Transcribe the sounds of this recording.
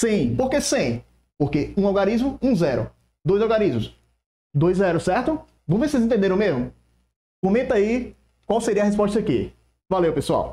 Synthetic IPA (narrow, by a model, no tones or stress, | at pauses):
sĩpoɾkesĩ | poɾkeũawɡaɾizmʊũzɛɾʊ̰ | d̪ojzowɡaɾizmʊs | d̪ojzɛɾʊsɛɾt̪ʊ | võw̃vesezẽt̪ẽnd̪eɾ̃ɐ̃mezmʊ | kõmẽt̪ɐi | kwawseɾiɐhes̬pɔʃt̪ɐakḭ | valewpesua̰w